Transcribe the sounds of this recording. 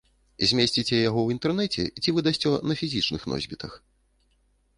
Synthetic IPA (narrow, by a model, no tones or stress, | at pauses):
zʲmʲesʲt͡sʲit͡sʲɛjaɣɔwint̪ɛrnɛt͡sʲɛ̰t͡sʲivɨd̪asʲt͡sʲɔnɐfʲizʲit͡ʂnɨxnɔ̰zʲbʲit̪ɐx